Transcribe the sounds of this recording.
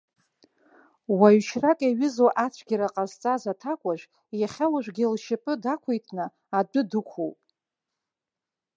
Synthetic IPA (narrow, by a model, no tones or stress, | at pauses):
waɥʃrakʼaɥɪzoʔat͡ɕʷʰɡʲɪɾaqʼazt͡sʼazatʰakʷʼaʒʷᶣ | jaχʲalaʒᶣʷɡʲɪlʃɪpʼɨdakʷʰejtʰnɨ | adɨdɨkʷʰowpʼ